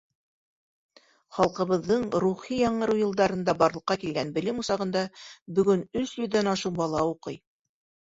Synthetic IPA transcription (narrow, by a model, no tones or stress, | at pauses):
χɑlˠqɤ̆βɤ̆ðːɤɴɾuχijɑɴɤ̆ɾɤwjɤ̆lˠd̪ɑɾɤ̆nd̪ɑbɑɾlˠɤ̆qːɑkilɡænbɘ̆lɘmusɑʁɤ̆nd̪ɑbɵ̆ɡɵnɵsjɵ̆ðːænɑʃuwbɑlˠɑuqɤj